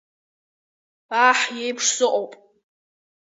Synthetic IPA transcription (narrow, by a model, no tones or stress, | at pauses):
aħjejpʰʂsɨqʷʼowpʼ